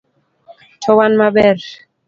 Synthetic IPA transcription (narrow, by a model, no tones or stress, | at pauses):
tʰɔwanmabɛɾ